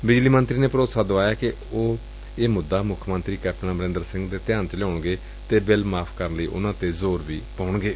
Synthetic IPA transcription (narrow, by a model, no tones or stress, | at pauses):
bɪd͡ʒliːmənt̪ɾiːneːpəɾoːt̪saːd̪oʋaːjaːkɪ | oː | eːmʊd̪aːmʊkʰːmənt̪ɾiːkɛːpʰnãːməɾɪ̃nd̪əɾsɪ̃ŋɡd̪eːt̪ɪjãːnt͡ʃəlɔːɳɡeː | t̪eːbɪlmaːpʰkəɾənləiːʔʊ̰nãːt̪eːzoːɾʋiːpaːʊɳɡeː